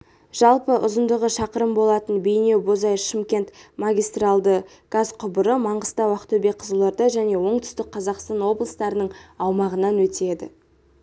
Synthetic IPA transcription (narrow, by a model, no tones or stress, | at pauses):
ʒ̥ɑlˠpəʔʊzənd̪əʁəʃɑqəɾəmbo̞lˠɑt̪ənbejne̞wbo̞zɑjʃɪmkʲe̞nt̪maɡʲijst̪ralˠd̪ə | ɡ̥azqʰʊbəɾəmɑɴʁəst̪ɑwɑqt̪ɵbe̞qʰəzəlˠɑɾd̪ɑʒæne̞wo̞ɴt̪ʏ̥st̪ɪk̚qʰɑzɑqst̪ɑnwo̞blˠəst̪ɑɾənəɴɑwmɑʁənɑnwɵt̪e̞d̪ɪ̰